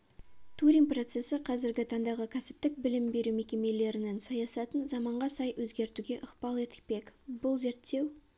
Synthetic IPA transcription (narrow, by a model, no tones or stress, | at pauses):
t̪ʰuɾʲiŋpro̞t̪se̞səqʰɑzɪɾɡʲɪt̪ʰɑnd̪ɑʁəkʲʰæsɪ̥p̚t̪ɪk̚bɪlɪmbe̞ɾume̞kʲe̞me̞le̞ɾɪnensɑjɑsɑt̪ənzɑmɑɴʁɑsɑjwɵzɡʲe̞ɾt̪uɡʲe̞ʔəqpɑlˠe̞t̪ɪ̥k̚pe̞kbʊlˠze̞ɾt̪ːe̞w